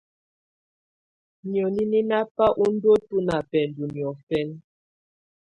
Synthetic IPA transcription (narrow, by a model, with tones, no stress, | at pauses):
ni˨ɔ˨ni˦ni˦na˦pa˦ʔu˦n̩˦do˦tu˦na˨pɛ˨n˨du˨ni˨ɔ˨fɛ˦n